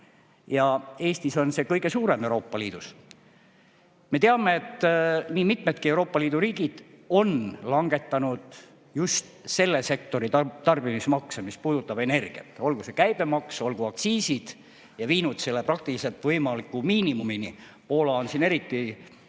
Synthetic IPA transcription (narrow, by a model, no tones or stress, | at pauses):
jɑe̞ːst̪iso̞nse̞kɤjɡe̞suːɾe̞mewɾo̞ːpːˑɑliːd̪̥us | me̞t̪eɑme̞ːt̪ːniːmit̪met̪̚kie̞wɾo̞ːpːˑɑliːd̪uɾiːɡ̥id̪̥ | o̞nlɑŋɡ̥e̞t̪ːˑɑnud̪̥ | just̪se̞lːe̞se̞k̚t̪o̞ɾit̪ɑrb̥imismɑksemispuːd̪̥ut̪ːˑɑb̥e̞ne̞rɡ̥ḭɑ̰t̪ːˑo̞lɡuse̞kæjb̥e̞mɑkso̞lɡ̥uɑk̚t̪siːsid̪̥ | jɑviːnut̪se̞lːeprɑk̚t̪ilise̞lt̪vɤjmɑlikːˑumiːnimumini | po̞ːlɑo̞nsine̞ɾit̪ːi